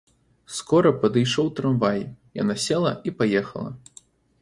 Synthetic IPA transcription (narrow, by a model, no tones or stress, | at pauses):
skɔɾɐpɐd̪ɨjʂɔwt̪ɾanvajija̰nasʲɛlˠɐipajɛxɐ̰lˠɐ̰